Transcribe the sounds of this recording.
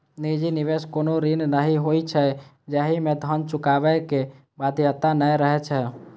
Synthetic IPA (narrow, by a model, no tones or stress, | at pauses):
nid͡ʒiniʋeskonoɾinnəɦiɦoit͡ʃʰɛ | d͡ʒaɦimẽd̪ʱənt͡ʃʊkaʋɛke | bad̪ʱijət̪ːanəjɾəɦɛt͡ʃʰɛ